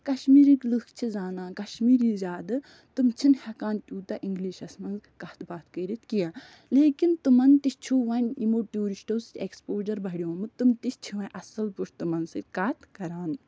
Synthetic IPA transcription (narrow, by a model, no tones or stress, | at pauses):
kɐʃmiːɾiklɨkt͡ʃʰizaːnaːkɐʃmiːɾizʲaːd̪ɨ | t̪ɨmt͡ʃʰinhɐkaːnt̪ʲuːt̪aʔiŋɡliːʃɐsmɐnzkɐt̪baːt̪kəːɾit̪ʰkijaː | leːkint̪umɐnt̪ist͡ʃʰuːʋɐːnʲimoːʈuːɾiʃʈoːsʲeːkspoːd͡ʒɐɾbɐɽʲijõːmɨt̪umt̪ist͡ʃʰiʋɐ̃ʔɐsɐlpuʂt̪umɐnsɨkɐːt̪ʰkɐɾaːn